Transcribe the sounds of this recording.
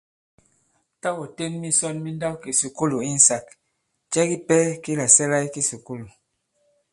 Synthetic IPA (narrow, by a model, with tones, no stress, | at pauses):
ta˦wo˨te˦nmi˦sɔ˦nmi˦n˦da˦wki˨su˨ku˦lu˨i˦n̩˨sa˨k | t͡ʃɛ˦ɡi˦pɛ˦ki˦la˨sɛ˦la˦jki˦su˨ku˦lu˨